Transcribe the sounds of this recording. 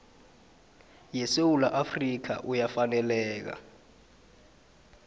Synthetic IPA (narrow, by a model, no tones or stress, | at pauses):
jɛsewulaʔafrik̬ʰa̰ʔujafanɛlɛːk̬a̰